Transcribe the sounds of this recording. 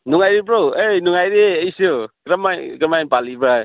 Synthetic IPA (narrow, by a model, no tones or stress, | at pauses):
nuŋajɾep̬ɾowejnuŋajɾeejsɯkɾamajkɾamajnpalibɾa